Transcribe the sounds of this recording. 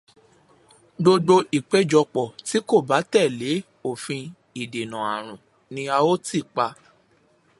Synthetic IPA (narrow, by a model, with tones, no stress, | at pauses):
ɡ͡bo˧do˧i˨k͡pe˨˦d͡ʒɔ˧k͡pɔ˨ti˨˦ko˦˨ba˨˦tɛ˦˨le˨˦ | o˦˨fĩ˧ | i˨de˨nã˨a̰˨ɾ̃ũ˨ | nĩ˧a˧o˦ti˦˨k͡pa˧